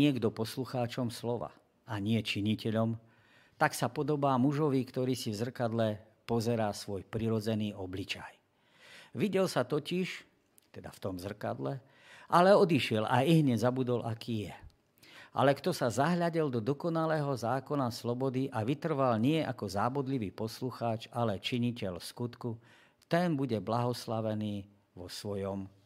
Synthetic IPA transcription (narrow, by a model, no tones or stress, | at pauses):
ɪɛɡd̪ɔpɔsluxaːt͡ʃɔmslɔʋa̰ | aɲɪɛt͡ʃiɲicɛʎɔm | t̪aksapɔd̪ɔbaːmuʒɔʋikt̪ɔɾiːsivzr̩kad̪lɛ | pɔzɛɾaːsʋɔjpɾiɾɔd͡zɛniːʔɔblit͡ʃaj | ʋiɟɛlsat̪ɔciʃ | t̪ɛd̪aft̪ɔmzr̩ka̰d̪lɛ | ʔalɛɔd̪iʃɪɛlʔa̰iɦɲɛzabud̪ɔlʔakiːjɛ | ʔa̰lɛkt̪ɔsazaɦʎaɟild̪ɔd̪ɔkɔnalɛːɦɔzaːkɔnaslɔbɔd̪iʔaʋit̪r̩ʋalɲɪɛʔakɔzaːbɔd̪liʋiːpɔsluxaːt͡ʃalɛt͡ʃiɲicɛlskut̪ku | t̪ɛnbuɟɛblaɦɔslaʋɛniː | ʋɔsʋɔjɔm